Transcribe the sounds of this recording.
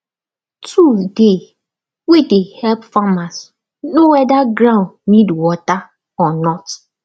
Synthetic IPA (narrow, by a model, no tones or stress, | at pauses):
tʰude | wedehɛlpfamas | nowɛdaɡɾãʊ̃nnidwɔta | ɔnɔt